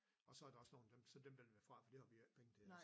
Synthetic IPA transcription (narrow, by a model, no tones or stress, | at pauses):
ɒ̽sɒ̽æɐɾ̥ɑ̈ɒ̽sno̝ːnd̥emsɒ̽d̥emdelʋæɐfʁɑ̈fɒd̥ehɑ̈ʋi̥pʰeŋət͡sʰe